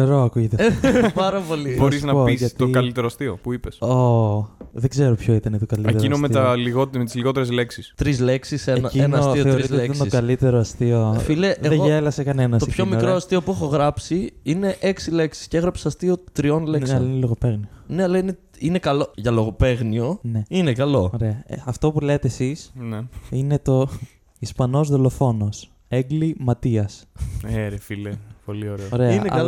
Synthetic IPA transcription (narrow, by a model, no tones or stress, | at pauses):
eɾoɐkuʝet̪epɐɾɐpo̞liboɾiznɐoisɐt̪okɐlit̪eɾoɐst̪io̰puipeso | ðeɡze̞ɾopçoit̪ɐnet̪okɐliteeinomeɐliɣot̪met̪izliɣo̞t̪̬eɾezleksist̪ɾizle̞ksiseenɐienɐɐost̪ioeɾiizletɐsnskɐlit̪e̞ɾoɐst̪iofileeɣðeʝelɐsekɐnenɐst̪opçomikɾoɐst̪io̞puexo̞ɣɾɐpsiine̞ʔeksile̞ksi̥sceeɣɾɐpsɐst̪io̞t̪ɾio̞nlenɐlɐineloɣope̞ɣnione̞ɐlɐine | ine̞kɐlo̞ʝɐlo̞ɣo̞pe̞ɣnio̞ne̞inekɐlo̞oɾe̞ɐɐft̪o̞pule̞t̪eːsisnine̞t̪o̞ | ispɐno̞zðo̞lo̞fo̞no̞s | eɡlimɐt̪iɐseɾfilepolioɾeoɾe̞ɐineɐ̰ɐ